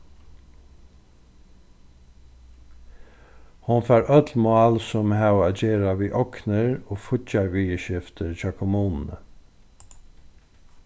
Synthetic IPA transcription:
hʊnfæːɾʔœt̪lmʊɑːlsɔmhæwaːd͡ʑeːɾaʋiːʔɔknəɹoːfʊcaɹʋiːəʃɪft̪əɹçɑkʰʊmuːnn̩ə̰

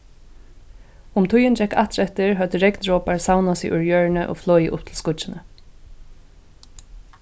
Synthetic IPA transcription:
ʊmt̪ʰʊjɪnd͡ʒɛka̰ht̪ɾɛht̪ɪɹɦœt̪əɾɛknɹɔːpaɹsawnasɪ̰ʔʊɹjœːɹnəʔo̰flɔːjə̰ʔʊpt̪ʰɪlskʊt͡ʃɪnə

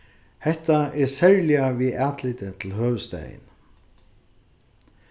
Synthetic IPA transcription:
hɛht̪aɛɾsɛɹlɪaviʔaːt̪lɪt̪ɪt̪ʰɪlɦœːʋəst̪ɛ̰ːjɪ̰n

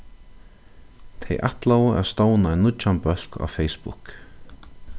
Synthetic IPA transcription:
t̪ʰɛjʔa̰ht̪lawa̰st̪oːwnaɛnːʊt͡ʃːanpœl̥ka̰fejspʊ̰k

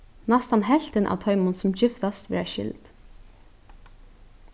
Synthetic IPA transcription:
nast̪ɑnɦɛlt̪ɪnʔa̰ʋt̪ʰœʏmʊnsʊmçɪft̪ast̪ʋɪ̰ɾæʃɪ̰ld̪̥

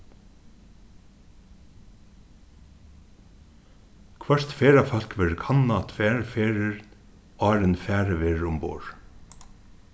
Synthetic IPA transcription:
kʰʋœɹt̪feːɹafœl̥kʋeɹkʰɑnːɑt̪fæːɹfeːɹəɹ | ɑːɹənfæːɹəʋeːɹɹʊmbo̰ːɹ

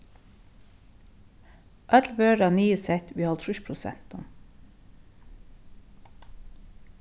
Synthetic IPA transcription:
ʔœlʋøːɖɑːnyːəsɛt̪ʰʋiːhɑlt̪ʰɾʉʃpʰɾʊsɛ̰nt̪ɔm

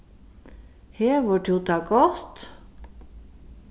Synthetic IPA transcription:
heːʋoːʈʰjuːt̪ʰɑːɡɔt̪

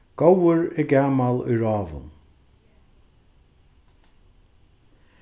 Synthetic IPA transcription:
ɡ̥owəɹɪɡaːmalˠʊ̰jɹɑːvə̰l

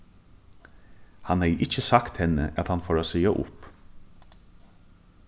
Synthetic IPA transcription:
hanhɛjʔɪt͡ʃəsakt̪hɛnːə̰ʔæt̪hanfoːɾaːsiːaʔʊ̰p

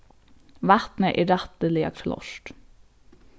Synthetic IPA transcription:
ʋæt̪nəʔiːɾæt̪əliːɑ̰kʰlɔ̰ʃt

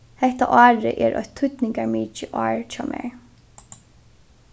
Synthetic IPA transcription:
hɛht̪aʔɑːɹɪʔɛɾʔɔ̰jt̪ʰːʊt̪nɪŋkaɹmiːt͡ʃɪʔɔːɹt͡ʃʰɑwmʔɛ̰ɹ

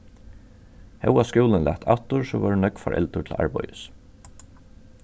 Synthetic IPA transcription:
hɛwaskuːlɪnla̰ht̪ʰa̰ht̪ʊɹsɔʋaɹnœkfaɾʔɛ̰lt̪ʊt̪ʰɪla̰ɹpɔjɪs

